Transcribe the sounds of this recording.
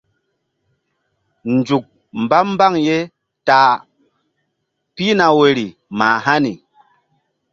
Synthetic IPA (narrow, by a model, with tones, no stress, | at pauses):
n˨d͡ʒu˨k̚ | m̩˨ba˦m̩˦ba˦˨ŋje˦ | ta˨ | pi˦na˨we˨ɾi˨ | ma˨ha˦ni˨